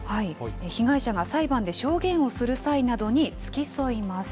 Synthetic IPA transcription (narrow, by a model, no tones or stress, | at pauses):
haiçiɡaiɕaɡasaibãnd̪e̞ɕo̞ːɡẽ̞ɰ̃o̞sɨɾɯ̟sainad̪o̞ɲ̟it͡sɨ̥kʲiso̞imasɨ̥